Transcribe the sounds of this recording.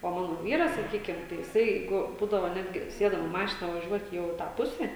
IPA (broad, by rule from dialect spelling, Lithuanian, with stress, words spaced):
oː ˈmɑːnoː ˈʋʲiːrɐs sɐˈkʲiːkʲɪm tɐɪ jɪˈsɐɪ ˈjɛɪɡʊ ˈbuːdɐʋoː ˈnʲæːdʲɡʲɪ ˈsʲeːdɐm ɪ ˈmɑːʃʲɪnɐ ʋɐˈʒʲuɔtʲ ˈjɛʊ ɪ ˈtɑː ˈpʊsʲɛ